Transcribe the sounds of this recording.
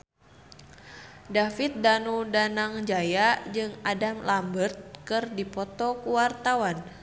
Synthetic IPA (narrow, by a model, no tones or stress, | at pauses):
dafit̪̚danudanaŋd͡ʒajad͡ʒɨŋadamlambərt̪̚kɨrdipɔt̪ɔkuwart̪awan